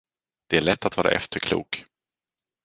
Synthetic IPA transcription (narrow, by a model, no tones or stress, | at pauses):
d̪̥ɛæɭɛt̪ːat̪vɑːɾaʔɛ̰ft̪əɾkʰlṵːk